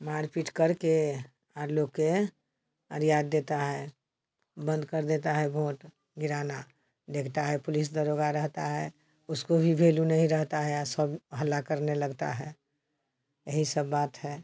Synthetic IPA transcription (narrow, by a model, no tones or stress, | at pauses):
maːɾpiʈkəɾke | aɾloɡkːe | ə̰ɾjaːd̪ːeːt̪aɦɛ | bə̃nd̪kəɾd̪eːt̪aɦɛbʱoːʈ | ɡɪɾaːna | d̪eːkʰt̪aɦɛpʊlɪs̬d̪əɾoɡaɾəɦt̪aɦɛː | ʊskobʱibʱeːlunəɦĩɾəɦt̪aɦɛasəbɦəlːakəɾneləɡt̪a̰ɦɛː | jəɦisəbːaːt̪ɦɛː